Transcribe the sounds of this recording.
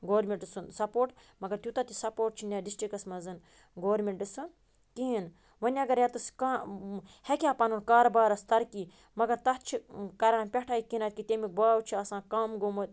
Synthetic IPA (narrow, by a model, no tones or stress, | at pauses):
ɡoːɾmʲeɳʈɨsunsɐpoːʈ | mɐɡɐɾt̪ʲut̪ɐt̪isɐpoːʈ̚t͡ʃʰinʲaːɖisʈɾikɐsmɐzɨn | ɡoːɾmʲeɳʈɖɨsɨn | kiːn | ʋɐnʲɐɡɐɾjat̪ɨskaːhekʲaːpɐnunkaːɾɐbaːɾɐst̪ɐɾki | mɐɡɐɾt̪ɐt͡ʃʰikɐɾãːnpʲɐʈʰaːikinat̪̚ʲkit̪emik̚baːwt͡ʃʰiɐsãːkɐmɡomɐt̪̚